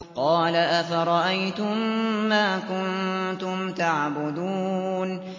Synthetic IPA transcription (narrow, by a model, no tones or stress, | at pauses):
qɑːlaʔafaɾˤɑʔajt̪ʊmːaːkʊnt̪ʊmt̪aʕbʊd̪uːn